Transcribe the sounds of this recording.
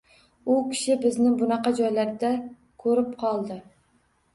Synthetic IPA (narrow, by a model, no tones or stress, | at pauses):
ukʲʰi̥ʃibɪznɪŋbunɑqɑd͡ʒɑjlæɾd̪ɛ | kʲʰøɾɪp̚qʰɑlˠd̪ɨ